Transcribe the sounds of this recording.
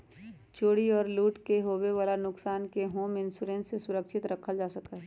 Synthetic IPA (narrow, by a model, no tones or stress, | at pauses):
t͡ʃoːɽiɔːɾluːʈkeɦoːweʋaːlanʊksaːnkeɦoːmɪ̃nsuɾẽːnsesʊɾəkʃɪt̪ɾəkʰəld͡ʒaːsəkaɦɛ